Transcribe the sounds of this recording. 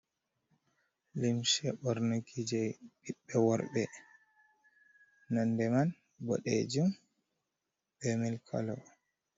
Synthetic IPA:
limsɛɓɔɾnakʰid͡ʒɛɗiɓːɛwɔɾɓɛ | nandɛman | bɔ̰ɗɛ̰d͡ʒum | bɛmɛlkʰɔ̰lɔ̰

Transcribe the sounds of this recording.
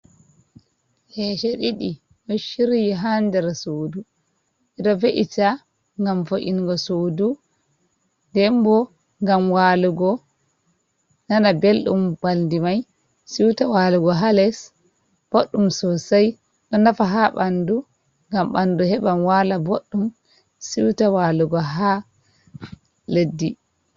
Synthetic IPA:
hɛʃɛɗiɗi | ɗɔʃiɾijiɦandɛɾasoːdu | ʔɛɗɔveʔita | ŋɡamfoʔinɡɔsodu | ndɛmbɔ | ŋɡamwaːluɡɔ | nanabelɗṵmbaldimaj | siwtawaːluɡɔɦalɛs | b̥oɗːumsɔsaj | ɗɔnafaɦaɓandu | ŋɡamɓanduɦɛɓamwalaboɗːum | siwtawaluɡɔɦa | ledːi

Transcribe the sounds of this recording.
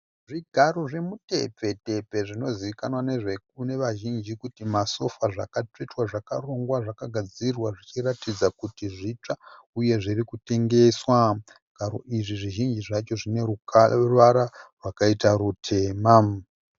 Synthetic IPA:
ʐiɡʱaɾo̞ʐe̞mute̞̰pe̞te̞pe̞ʐino̞ziʋikanwane̞ʐek̚une̞ʋaʒind͡ʒikutimaso̞faʐa̰kate̞twaʐakaro̞ŋɡwaʐakaɡʱad͡zirwaʐit͡ʃiratid͡zakutiʐit͡ʂa | uje̞ʐirikute̞ŋɡe̞swa | ɡ̥ʱaɾo̞̰ʔiʐiʐiʒind͡ʒiʐat͡ʃo̞ʐine̞urʋaɾarwakaitaɾutʰe̞ːma

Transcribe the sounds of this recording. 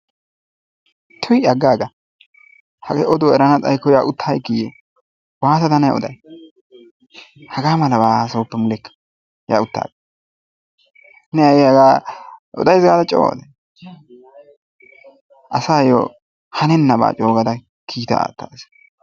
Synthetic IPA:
t̪ʰɔjɐɡːaːɡɐ | hɐɡɛʔɔd̪oɛɾɐnɐt͡sʼɐ̰jkːɔjaːʔʊt̪ʰːajkːije | waːt̪ɐt̪ɐnɐja̰ʔɔ̰d̪ɐj | hɐɡaːmɐlɐbaːsoːpːɛmʊlɛkːɐ̥ | ja̰ːʊt̪ːa̰ːɡ | nɛjɐjɛɐɡaːʔɔ̰d̪ɐjzɡaːd̪ɐt͡ʃʼo̰ːd̪ɛ | ʔɐsaːjo̰ː | hɐnɛnːɐba̰ːt͡ʃʼoːɡɐd̪ɐ | kʰiːt̪ɐ̰a̰ːt̪ːa̰ːs

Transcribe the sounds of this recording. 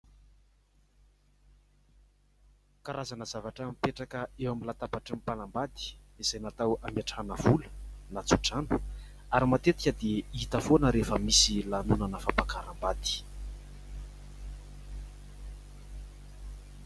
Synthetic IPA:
kaɾazanəzavaʈ͡ʂəmipeʈ͡ʂakəewamilat̪apaʈ͡ʂəmpanambad̪i̥izajnat̪awamjaʈ͡ʂanəvulə̥nat͡suʈ͡ʂanu̥aɾimat̪et̪i̥kʲəd̪eit̪əfonəɾefəmisilanunanəfampakaɾambad̪̥i̥

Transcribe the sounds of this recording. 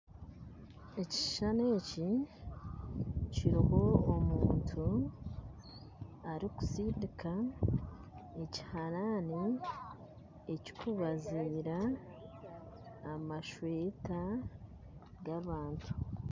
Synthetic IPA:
e̞ci̥ʃane̞ːci | ciɾoho̞ːmuːntʰu | aɾiku̥sidikʰa | e̞ci̥haɾani | eci̥kʰuβaziːɾa | maʃweːta | ɡaβaːntʰu̥

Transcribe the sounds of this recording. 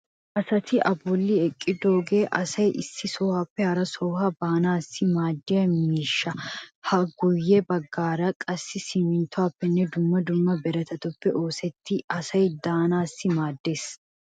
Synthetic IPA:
ʔɐsɐt̪ʰɪʔɐbɔlːɪɛkʼːɪd̪oːɡeːʔɐsɐjʔɪsːɪsoːhɐpːɛhɐɾɐsoːhɐbaːnaːsːɪmaːd̪ːɪjɐmiːʃːɐhɐɡʊjːɛbɐɡːaːɾɐkʼɐsːɪsɪmɪnt̪ʊaːpːɛnːɛd̪ʊmːɐd̪ʊmːɐbɛɾɐt̪ɐt̪ʊpːɛʔo̞ːsɛt̪ʰːɪɐsɐjd̪aːnaːsːɪmaːd̪ːe̞ːs

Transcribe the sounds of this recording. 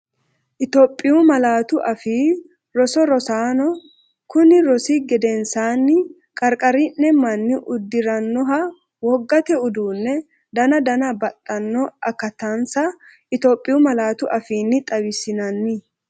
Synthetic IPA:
ʔɪt̪ɔpʼːɪjʊmɐlaːt̪ʊʔɐfiː | ɾɔsɔɾɔsaːnɔ | kʊnɪɾɔsɪɡɛd̪ɛnsaːnːɪ | kʼɐɾkʼɐɾɪnːɛmɐnːɪʔʊd̪ːɪɾɐnːɔɦɐ | wɔɡːɐt̪ɛʊd̪uːnːɛ | d̪ɐnɐd̪ɐnɐbɐt̪ʼːɐnːɔɐkɐt̪ɐnsɐ | ʔɪt̪oːpʼːɪjʊmɐlaːt̪ʊʔɐfiːnːɪt̪ʼɐwɪsɪnɐnːɪ

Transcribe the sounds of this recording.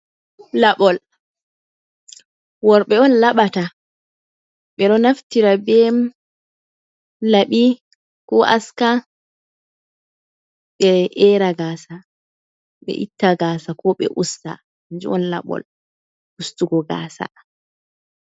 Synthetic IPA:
laɓɔl | wɔɾɓɛɔnlaɓata | ɓɛɗɔnaftiɾabɛm | laɓi | kɔʔa̰ska | ɓɛʔɛɾaɡaːsa | ɓɛ̰ʔitːaɡaːsakɔɓɛ̰ʔusta̰ | nd͡ʒiɔnla̰ɓɔ̰l | ustuɡɔɡa̰ːsa̰

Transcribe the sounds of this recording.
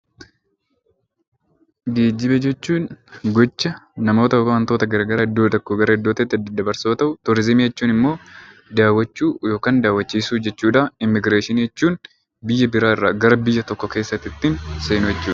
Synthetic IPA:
ɡe̞ːd͡ʒːɪbɛd͡ʒɛt͡ʃːuːnɡɔt͡ʃːɐnɐmo̞ːt̪ɐokɐwɐnt̪oːt̪ɐɡɐɾɡɐɾɐɪd̪ːoːt̪ɐkːoɡɐɾɐɪd̪ːoːt̪ɪt̪ːɪd̪d̪ɐbɐɾsoːt̪ɐʔʊt̪ɔɾɪzɪmiɛt͡ʃːuːnɪmːo̞ːd̪aːwːɐt͡ʃːuːjo̞ːkaːnd̪aːwːɐt͡ʃːiːsuːd͡ʒɛt͡ʃːuːᶑɐɪmːɪɡɾeːʃɪniɛt͡ʃːuːn | bɪjːɐbɪɾaːɪrːaːɡɐɾɐbɪjːɐt̪ɔkːɔke̞ːsːɐt̪ːɪt̪ːɪnseːnʊjɛt͡ʃːuːᶑɐ

